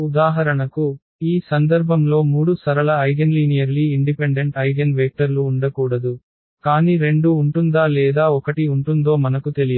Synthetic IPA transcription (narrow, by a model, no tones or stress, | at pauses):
ud̪aːɦɐɾɐɳɐku | iːsɐnd̪ɐɾbʱɐmlo̞ːmuːɽusɐɾɐlɐɐjɡenliːnijɐɾliːiɳɖipeɳɖe̞ɳʈɐjɡenʋeːk̚ʈɐɾluːɳɖɐkuːɽɐd̪u | kaːniːɾe̞ɳɖuːɳʈund̪aːlɛːd̪aːɔkɐʈiuɳʈund̪o̞ːmɐnɐkut̪e̞lijɐ